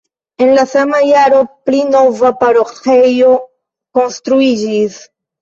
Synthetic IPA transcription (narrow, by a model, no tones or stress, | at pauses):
e̞nlasamajaɾo̞plino̞vapaɾoxejo̞ | ko̞nstɾuid͡ʒis